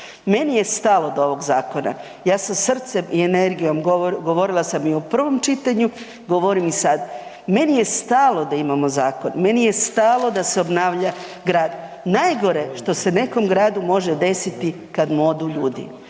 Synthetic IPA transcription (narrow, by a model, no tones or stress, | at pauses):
me̞nije̞st̪alˠo̞d̪o̞ʋo̞ɡzaːko̞na̰ | jaːsasr̩t̪se̞miene̞ɾɡijo̞mɡɡo̞ʋo̞ɾilˠasamiopr̩ʋo̞mt͡ʃit̪aɲu | ɡo̞ʋoɾimisad̪ | me̞nije̞st̪aːlˠo̞d̪aimamo̞zaːko̞nme̞nije̞st̪aːlˠo̞d̪aseobnaːʋʎa | ɡɾaːd̪ | najɡo̞ɾeʃt̪o̞se̞ne̞ko̞mɡɾaːd̪umo̞ʒed̪e̞sit̪i | kad̪mo̞d̪uʎuːd̪ḭ